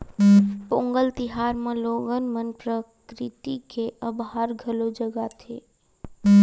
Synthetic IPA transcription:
põːŋɡəlt̪ɪɦaːɾmẽloːɡənmənpɾəkkɾɪt̪ikeʔəbɦaːɾɡʱəlod͡ʒəɡat̪ʰḛː

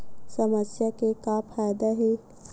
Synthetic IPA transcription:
səməsjakekapʰaːjd̪aɦeː

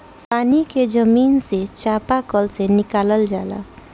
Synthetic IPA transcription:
paːniked͡ʒəmiːnset͡ʃapakəlsenikaːləld͡ʒa̰ːla̰

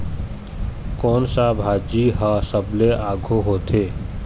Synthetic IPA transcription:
kɔːnsabʱaːd͡ʒiɦəsəbleaːɡʱoɦoːt̪ʰeː

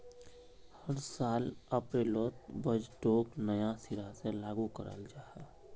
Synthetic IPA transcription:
həɾsaːləpɾeloːt̪bəd͡ʒʈoːknəjasiɾaselaːɡukə̰ɾə̰ld͡ʒaːɦɛː

